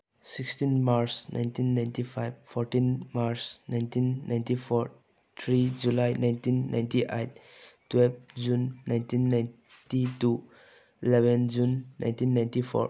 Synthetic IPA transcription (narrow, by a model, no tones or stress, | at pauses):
sikstinmaɾsna̰jntinːajntipʰajbfʰɔɾtinmaɾsnajntʰinːaj̃ntipʰɔɾ | t̪ʰɾid͡ʒulajnajntinːa̰jntiʔejt̚ː | wɛlb̚d͡ʒunːajntinːajn | titu | ilebɛnd͡ʒunːʔa̰jntinːajntipʰɔ̰ɾ